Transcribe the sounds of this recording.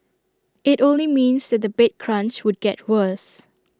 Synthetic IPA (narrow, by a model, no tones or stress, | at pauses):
ɪtõnlimĩnsd̪ɛt̚d̪əbet̚kʰɹãnt͡ʃwʊd̚ɡɛt̚wəs